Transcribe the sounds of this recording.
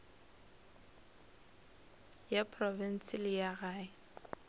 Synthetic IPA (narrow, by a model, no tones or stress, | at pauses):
japʰʼrɔvɛn̩sɪlɪjaɣaːɪ